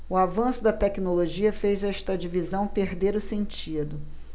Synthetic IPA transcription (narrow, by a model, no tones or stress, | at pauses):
ʊavɐ̃sʊd̪ɐt̪ɛkinoloʒiɐfezɛʃt̪ɐd͡ʒivizɐ̃w̃peɾd̪eɾʊsẽnt͡ʃid̪ʊ